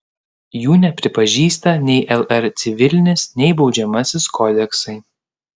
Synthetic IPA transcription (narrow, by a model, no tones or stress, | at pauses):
juːnʲɛpʲɾʲɪpɐʒʲiːst̪ɐnʲɛɪʔɛlˠɛɾt̪sʲɪʋʲɪlʲnʲɪsnʲɛɪbɒʊd͡ʒʲɛmɐsʲɪskʰɔːd̪ʲɛksɐɪ